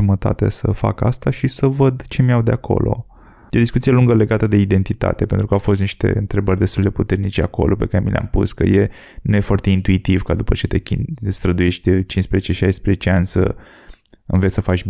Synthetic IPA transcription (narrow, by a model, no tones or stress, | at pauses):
umət̪a̰t̪ḛsəfa̰ka̰st̪aʃisəvəd̪t͡ʃe̞miawd̪eakʰo̞̰lʔo̞̰ | jed̪iskut̪sijeluŋɡəle̞ɡat̪əd̪e̞id̪e̞nt̪it̪a̰t̪e̞pe̞nt̪ɾukəafo̞st̪niʃt̪e̞̰ɨnt̪ɾe̞bərʲd̪est̪uld̪e̞put̪e̞rnit͡ʃeako̞̰lʔope̞kaɾe̞milea̰mpṵskə̰je̞ | nuje̞fowart̪e̞int̪uit̪ivkad̪upət͡ʃe̞t̪e̞kʲinst̪ɾəd̪uje̞ʃt̪̚ʲd̪et͡ʃinspɾezet͡ʃe̞ʃajspɾezet͡ʃeanʲsə̰ | ɨnvet̪səfat͡ʃb